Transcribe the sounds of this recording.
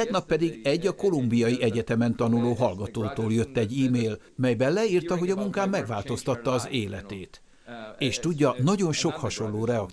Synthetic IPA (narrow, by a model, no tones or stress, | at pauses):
ɛɡnɒpːɛd̪iɡɛɟːɒko̞lumbijɒjiʔɛɟɛt̪ɛmɛnt̪ɒnuloːɦɒlɡɒt̪oːt̪oːljø̞t̪ːɛɟːiːmeːl | mɛjbɛnlɛiːrt̪ɒɦo̞ɟɒmuŋkaːmːɛɡʋaːlt̪o̞st̪ɒt̪ːɒːzeːlɛt̪eːt̪ | eːʃt̪uɟːɒnɒɟo̞nʃo̞khɒʃo̞llːoːɾɛɒ